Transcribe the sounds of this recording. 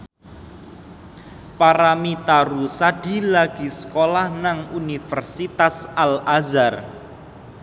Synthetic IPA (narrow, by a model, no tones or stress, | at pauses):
paɾamit̪aɾusaɖ̥i̤laɡ̥i̤sə̥kolahnaŋunifərsit̪asalazar